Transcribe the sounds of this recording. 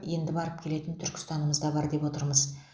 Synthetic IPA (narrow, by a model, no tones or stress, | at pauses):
je̞nd̪ɪbɑɾəp̚kʲʰe̞le̞t̪ɪnt̪ʰʏɾkʲɪ̥st̪ɑnəməzd̪ɑbɑɾd̪e̞pwo̞t̪əɾməz